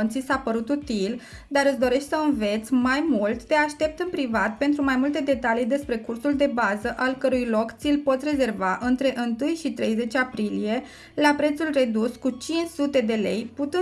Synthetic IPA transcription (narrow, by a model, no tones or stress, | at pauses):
nt̪sisaːpəɾut̪ut̪il | d̪aɾɨt̪sd̪o̞ɾe̞ʃt̪ʲsəɨnve̞t̪sʲmajmult̪d̪e̞aʃt̪e̞p̚t̪ɨnpɾivat̪̚pe̞nt̪ɾumajmult̪e̞d̪e̞t̪alijd̪e̞spɾe̞kursuld̪e̞bazəʔalkəɾujlo̞kt̪silpo̞t̪ʲre̞ze̞rvaʔɨnt̪ɾe̞ʔɨnt̪ɨjʃit̪ɾe̞jze̞t͡ʃapɾilije̞ | lapɾe̞t̪sulre̞d̪uskut͡ʃint͡ʃsut̪e̞d̪e̞le̞̰jput̪ɨ